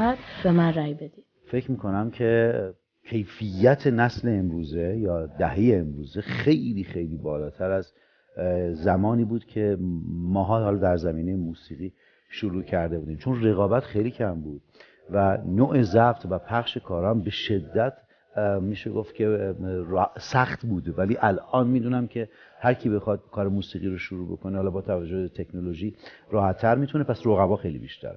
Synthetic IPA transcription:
d̪bemænɾæjbed̪i̥ | fe̞cʰɾmiːkʰo̞næmcʰe̞ | cʰe̞jfijːæt̪ʰe̞næsle̞ːmɾuːze̞jɒːd̪æɦe̞jeːmɾuːze̞xe̞jliːxejliːbɒːlɒːt̪ʰæɾæz | æmɒːniːbuːd̪cʲʰe̞mɒːɦɒːhɒlɒːd̪æɾzæmiːne̞jemuːsiːɣiː | ʃoɾuːcʰæɾd̪e̞buːd̪imt͡ʃʰo̞nre̞ɣɒːbæt̪χejliːcʰæmbuːd̪̥̚ | vænoːʔezæbt̪ʰvæpʰæχʃe̞kʰɒːɾɒmbe̞ʃe̞d̪ːæt̪ʰ | miːʃeɡoft̪cʲʰe̞ | sæxt̪buːd̪væliːʔælʔɒːnmiːd̪uːnæmcʰe̞ | hæɾcʰibe̞xɒd̪̚kʰɒːɾemuːsiːɣiːɾoʃoɾuːbo̞̰kʰonehɒːlɒːbɒːt̪ʰævæd͡ʒːohet̪ʰe̞kʰnoloʒiːɾɒːhæt̪ʰːæɾmiːt̪ʰunepʰæsroɣævɒːxejlḭbḭʃt̪ʰæ̰ɾ

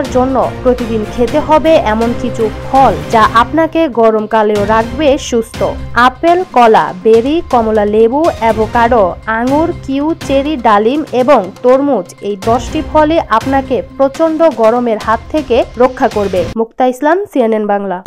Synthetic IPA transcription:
ɾd͡ʑonːopɾot̪id̪inkʰet̪eɦɔbeʔɛmonkit͡ɕʰupʰɔld͡ʑaʔapnakeɡɔɾomkaleoɾakʰbeʃust̪ʰoapelkɔla̰beɾikɔmolalebuɛbokaɖoaŋuɾkiwt͡ɕeɾiɖalimeboŋt̪oɾmud͡ʑejd̪ɔʃʈipʰɔleʔapnakepɾot͡ɕond̪oɡɔɾomeɾhat̪ʰːekeɾokʰːakoɾbemuk̚t̪aislamsienenbaŋla

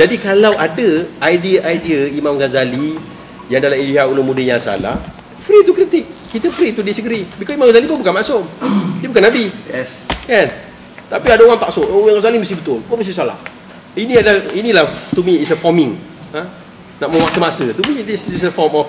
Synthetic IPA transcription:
d͡ʒadikalawʔadəajdiəʔajdiəimãmɡazali | jaŋdalailiɦaʔulʊmudəjãŋsa̰la̰h | fɾit̪ukɾit̪ɪk̚ːit̪əfɾit̪udisəɡɾibikɔsimãmɡazalipʊnbukanmãsʊmdiəbukanːabiɛskan | t̪apiadaoɣaŋt̪aʔsʊʔimãŋɡazaliməst̪ihbət̪ʊlkməst̪is̬ala̰h | iniadainilaht̪umiːsəfɔmɪ̃ŋa | naʔ̚məwaʔsəmasət̪umidisisəfɔmɔf

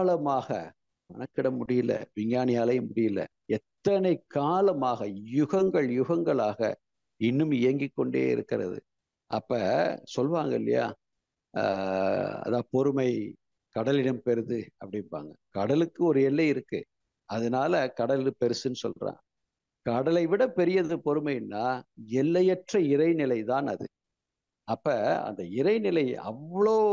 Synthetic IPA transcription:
lɐmaːɣɐ̰ | ʋɐnɐkːɪɽɐmːʊɽɪjɪlːɐ̰ʋɪŋɡaːnɪjaːlɐjɐmːʊɽɪjɪlːɐ̰ | ɛt̪ːɐnɐɪkːaːlɐmaːɣɐjʊɣɐŋɡɐɭjʊɣɐŋɡɐɭaːɣɐ̰ | ɪnːɯmɪjɐŋɡɪkːɔɳɖḛːɪ̰ɾɯ̰kːɪɾɐ̰ðɯ̰ | ʔɐ̰pːɐsɔlʋaːŋɡɐɪlːɐ̰ja̰ː | ɐ̰ðaːpɔɾɯmɐɪ | kɐɽɐlɪɽɐmpɛɾɯðɯɐpːɐɽɪnpa̰ːŋɡɐkɐɽɐlɯkːɯɔɾɯɛlːɐɪɪɾɯkːɯ̰ | ɐðɐnaːlɐkɐɽɐlɪpɛɾɯsɯnːɯsɔ̰lrã̰ː | kɐɽɐlɐɪʋɪɽɐpɛɾɪjɐðɯpɔɾɯmɐɪnːaːɛlːɐjɛʈrɐɪɾɐɪnɪlɐɪt̪aːnɐðɯ̰ | ɐpːɐɐ̰nd̪ɐɪɾɐɪnɪlɐɪɐ̰ʋːɐɭoː

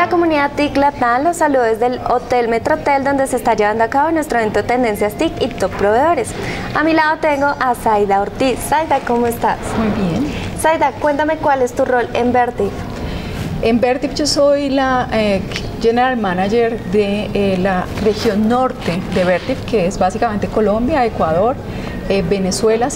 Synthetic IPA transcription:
lako̞mũniðat̪iklat̪anlosaluðezðe̞lot̪elme̞t̪ɾot̪e̞ld̪o̞nd̪eseːst̪aʝe̞βand̪oakaβonwe̞st̪ɾoent̪ot̪end̪e̞nsjast̪ikit̪ok̚pɾo̞βe̞ðo̞ɾe̞s | amilaðo̞t̪e̞ŋɡo̞ʔasajðaoɾt̪isːajðako̞moest̪a̰smujbjensajðakwe̞nt̪ame̞kwale̞st̪uro̞le̞mbeɾt̪if | embeɾt̪ifd͡ʒo̞so̞jla | d͡ʒeneɾalmanad͡ʒeɾd̪elarexjo̞nːo̞ɾt̪e̞d̪eβeɾt̪ifke̞ezbasikament̪e̞ko̞lo̞mbjae̞kwaðo̞ɾ | ebe̞neswe̞la

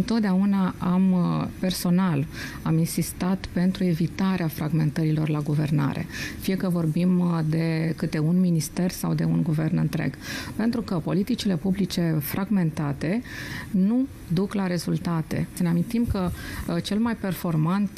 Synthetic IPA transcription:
ɨnt̪o̞t̪̚d̪eaunaampe̞rso̞nal | aminsist̪at̪pe̞nt̪ɾue̞vit̪aɾeafɾaɡme̞nt̪əɾilo̞rlaɡuve̞̰rna̰ɾe̞̰fije̞kəvo̞rbimd̪e̞kɨt̪e̞unminist̪e̞rsa̰wd̪e̞̰unɡuvernɨ̰nt̪ɾḛɡ̥pe̞nt̪ɾukəpo̞lit̪it͡ʃile̞publit͡ʃe̞fɾaɡme̞nt̪at̪e̞nu | d̪uklaɾe̞zult̪at̪e̞̰səneamint̪imkət͡ʃe̞lmajpe̞rfo̞rmant̪

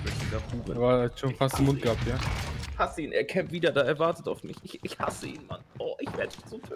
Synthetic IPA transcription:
bɛdidafuːʁə̰vaʃoːnfastɪnmʊnt̚ɡ̥ap̚jaːhasəiːnʔeːɐkʰɛmtv̥iːdɐdaːɛːɐvaɐtətaʊfmɪçɪçɪçha̰səʔḭːnma̰nɔːʔɪçv̥eːɐdəinz̥oːfø

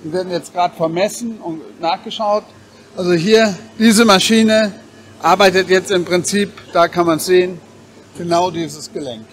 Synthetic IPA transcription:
vviveːɐdn̩jɛt͡stɡ̥ʁaːdəfɛɐmɛsn̩ʊntnaːχɡ̥əʃaʊt | ʔalzoɦiːɐd̥iːzəmaʃiːnə | ʔaɐbaɪtətjɛt͡stɪmpʁ̥ɪnt͡siːpd̥aːkʰanmansz̥eːən | ɡ̥ənaʊdiːzəsɡ̥əlɛŋk

